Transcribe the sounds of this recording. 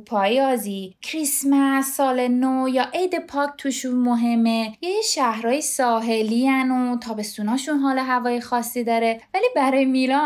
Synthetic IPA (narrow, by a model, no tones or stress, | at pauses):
pʰɒːjɒːziːkʰɾismæsːɒːlenojɒːʔejd̪e̞pʰɒːk̚t̪ʰuːʃunmoɦe̞mːejeciʃæhɾɒːjesɒːɦeliænot̪ʰɒːbe̞st̪unɒːʃunɦɒːloɦævɒːjexɒːsːid̪ɒːɾevæliːbæɾɒːjemilɒ